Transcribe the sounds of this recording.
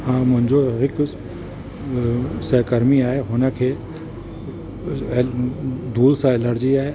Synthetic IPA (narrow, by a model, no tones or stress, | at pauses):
hãːmʊɦɪ̃ɲʲd͡ʒoɦɪk | sɐkɐɾmiaːeɦʊnakʰe | d̪ʱuːlsãelɐɾd͡ʒiaːe